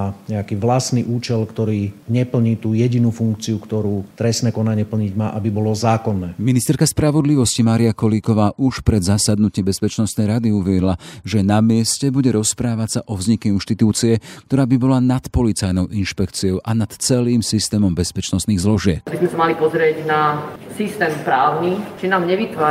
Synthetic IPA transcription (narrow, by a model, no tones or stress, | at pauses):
aɲɛakiːʋlasniʔuːt͡ʃɛlkt̪ɔɾiːɲɛpl̩ɲiːt̪uːjɛɟinuːfuŋkt͡siukt̪ɔɾuːt̪ɾɛsnɛːkɔnaɲɪɛpl̩ɲiɟmaːʔabibɔlɔzaːkɔnːɛːminist̪ɛɾkaspɾaʋɔd̪liʋɔscimaːɾiakɔliːkɔʋaːʔuʃpɾɛd̪zasad̪nucɛmbɛspɛt͡ʃnɔst̪nɛjɾad̪iuʋɛɾilaʒɛnamɪɛscɛbuɟɛɾɔspɾaːʋasaʔɔvzɲikɛinʃt̪it̪uːt͡siɛk̚t̪ɔɾaːbibɔlanat̪pɔlit͡sajnɔʊʔinʃpɛkt͡siɔʊʔanat̪t͡sɛliːmsist̪ɛːmɔmbɛspɛt͡ʃnɔst̪niːɣzlɔʒɪɛpbizmɛsamalipɔzɾɪɛɟnasist̪ɛːmpɾaːʊnit͡ʃinaːmɲɛʋit̪ʋaː